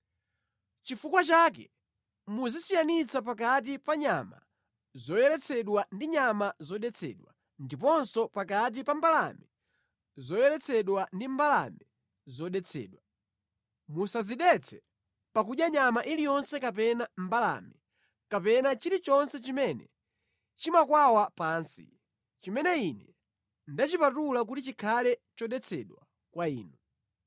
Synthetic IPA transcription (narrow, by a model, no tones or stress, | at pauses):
t͡ʃifukwat͡ʃaːk̬ɛ | muzisijanit͡sʰap̬akat̬ipaɲama̰ | zɔjɛɾɛt͡sʰɛɗwandiɲamazɔɗɛt͡sʰɛ̰ɗwa | ndip̬ɔnsɔpakat̬ipambala̰mi | zɔjɛɾɛt͡sʰɛɗwandimbala̰mi | zɔɗɛt͡sʰɛ̰ːɗwa | musaziɗɛt͡sʰɛ | pakuɗjaɲamaʔilijɔnsɛkap̬ɛnambala̰mi | kapɛnat͡ʃiɾit͡ʃɔnsɛt͡ʃimɛnɛ̰ | t͡ʃimakwawapaːnsḭ | t͡ʃimɛnɛinɛ | ndat͡ʃipatulak̬utit͡ʃikʰalɛt͡ʃɔɗɛt͡sʰɛɗwa | kwaiːnu